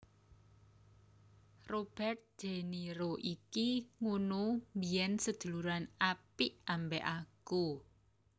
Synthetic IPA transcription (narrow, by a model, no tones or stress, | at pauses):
rob̥ɛrt̪̚d̥ʒ̥e̤niɾoʔikiŋunumbiɛnsəd̥ʒ̥ṳluɾanapiʔambɛʔaku